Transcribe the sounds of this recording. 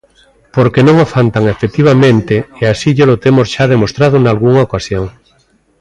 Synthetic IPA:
poɾkenõŋofant̪aŋefet̪iβ̞amẽnt̪eeasiʎolot̪emozʃað̞emost̪ɾað̞onalɣuŋaokasjoŋ

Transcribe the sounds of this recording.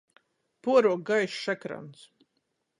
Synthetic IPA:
puɔɾuɔk̚ɡajʃʃɛkɾa̰ns

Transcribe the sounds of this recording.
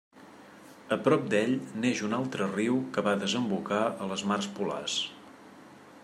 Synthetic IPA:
əpɾɔp̚d̪ɛʎneʒunalˠt̪ɾəriwkəβaðəzəmbukaələzmarspula̰s

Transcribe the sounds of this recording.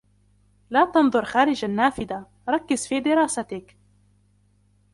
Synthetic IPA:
laːt̪ɑnðˤʊɾˤxaːɾɪd͡ʒʔanːaːfɪd̪a | ɾˤɑkːɪzfiːd̪ɪɾˤɑːsat̪ɪk

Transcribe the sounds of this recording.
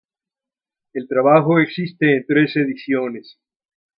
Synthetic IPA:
elt̪ɾaβaxoeksist̪eːnt̪ɾeseðisjones

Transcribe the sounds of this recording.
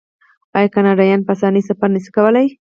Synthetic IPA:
ɑjkɑnɑɖɑjɑnpasɑnisafaɾniʃi̥kawəlaj

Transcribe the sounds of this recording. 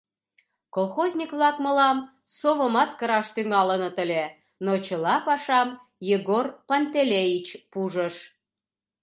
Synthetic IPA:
kolxozʲnʲikβlɑkmə̆lɑm | soβə̆mɑt̪kə̆ɾɑʃt̪yŋɑlə̆nə̆t̪ə̆lʲe | not͡ɕəlɑpɑʃɑm | jeɣorpɑnt̪elʲejit͡ɕpuʒəʃ

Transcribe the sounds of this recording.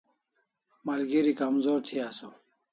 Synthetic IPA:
mɐlɡiɾikɐmzoːɾt̪ʰiaso

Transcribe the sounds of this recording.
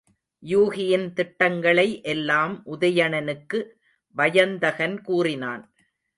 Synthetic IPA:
juːɣɪjɪnt̪ɪʈːɐŋɡɐɭɐɪʔɛlːaːmʔʊðɐjɐɳɐnɯkːɯ | ʋɐjɐnd̪ɐɣɐnkuːrɪnaːn

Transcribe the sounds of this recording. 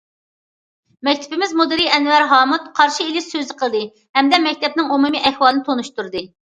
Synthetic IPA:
mɛkʲt̪ʰɪ̥bɪmɪzmod̪ɨɾiɛnwæɾɦɑːmut̪qʰɑɾʃiilɪʃsøzɪqʰəlˠɨd̪ɨ | hɛmd̪ɛmɛk̚ʲt̪ʰɛp̚nɪŋumumiʔɛhwɑlˠɨnɪt̪ʰonuʃt̪uɾd̪ɨ

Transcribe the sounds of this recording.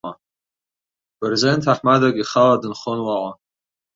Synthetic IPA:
a | b̥rezentʰaħmadakʼiχaladɨnχonwaʕʷa

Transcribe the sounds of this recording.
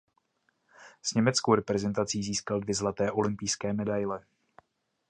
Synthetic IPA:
z̥ɲɛmɛt͡skowɾɛpɾɛzɛnt̪at͡siːziːskaldvjɛzlat̪ɛːʔo̞lɪmpijskɛːmɛdajlɛ

